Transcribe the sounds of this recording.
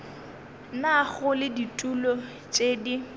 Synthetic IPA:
naɣʊlɪditʼulɔ | t͡ʃʼeːdi

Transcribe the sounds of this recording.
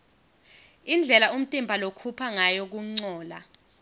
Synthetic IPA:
ind͡ɮʱɛlaum̩tʼimbʱalokʰupʰaŋajɔk̬uŋ͡ǀɔːla̰

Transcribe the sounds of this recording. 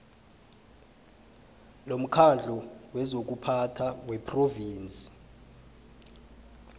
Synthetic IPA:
lom̩kʰand͡ɮʱɔwɛzok̬upʰatʰawɛpʰroviːnt͡sʼi̥

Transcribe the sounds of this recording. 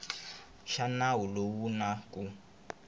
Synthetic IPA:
ʃanawulowunakʼu

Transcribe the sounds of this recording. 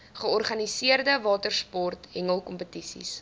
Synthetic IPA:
χəɔrχɐnisiərdəvɑːtərspɔrtɦɛŋəlˠkɔmpətisḭs

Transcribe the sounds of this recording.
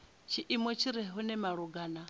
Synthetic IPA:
t͡ʃʰiʔimɔt͡ʃʰiɾɛɦɦunɛmaɺuɡaːna

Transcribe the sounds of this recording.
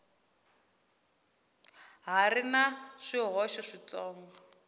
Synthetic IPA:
ɦarinaʂiɦɔʃɔʂit͡sɔːŋɡɔ

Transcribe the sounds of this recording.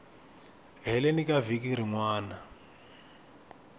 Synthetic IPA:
ɦɛlenikavik̬iɾiŋwaːna

